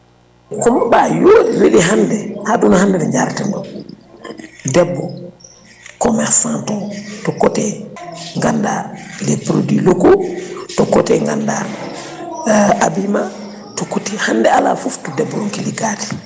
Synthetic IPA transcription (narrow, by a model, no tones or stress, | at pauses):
kɔmɔbajoːdiwiɗiɦandɛhadunɔhandɛnɛɲaɾtɛndɔ | dɛbːɔ | kɔmɛsantɔtɔkːɔtɛŋɡanda̰lɛpɾo̰dilokutɔkːɔtɛŋɡanda̰ | abima | tɔkːutihandɛala̰fuftudɛbːɔɔŋkiliɡati̥